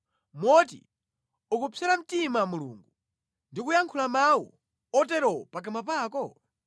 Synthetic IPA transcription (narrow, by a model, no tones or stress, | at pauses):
mɔt̬ḭ | ukupʰɛɾam̩timamulṵːŋɡu | ndikujaŋkʰulamawɔ̰ | ɔtɛɾɔpak̬amapaːkɔ